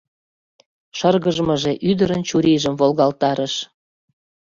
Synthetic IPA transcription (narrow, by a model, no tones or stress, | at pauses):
ʃərɣəʒmɤʒeʔyd̪əɾənt͡ɕuɾiʒəmvolɣɑlt̪ɑɾəʃ